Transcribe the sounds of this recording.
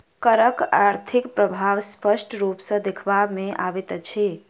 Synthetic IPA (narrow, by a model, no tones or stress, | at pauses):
kəɾəkaɾt̪ʰikpɾəbʱaʋspəsʈɾupsə̃d̪ekʰbabmeʔabɛt̪t͡ʃʰi